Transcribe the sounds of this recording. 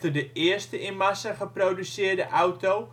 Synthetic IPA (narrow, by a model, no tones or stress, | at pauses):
tədəʔɪəstəʔɪnmasəχəproːdysɪərdəʔawtow